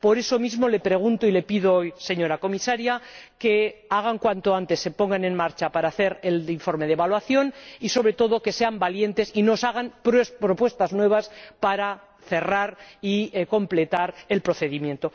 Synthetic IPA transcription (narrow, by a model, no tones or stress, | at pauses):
po̞ɾe̞so̞mizmo̞le̞pɾe̞ɣ̞unt̪oile̞piðoojse̞ɲo̞ɾako̞misaɾjake̞aɣ̞aŋkwant̪o̞ant̪e̞sːe̞po̞ŋɡane̞nmaɾt͡ʃapaɾaːθe̞ɾeliɱfo̞ɾme̞ð̞eβalwaθjo̞niso̞βɾe̞t̪o̞ðo̞ke̞se̞ambalje̞nt̪e̞sino̞saɣ̞anpɾspɾo̞pwe̞st̪aznwe̞β̞aspaɾa | θe̞raɾiko̞mple̞t̪aɾe̞lpɾo̞θe̞ðimjẽ̞nt̪o̞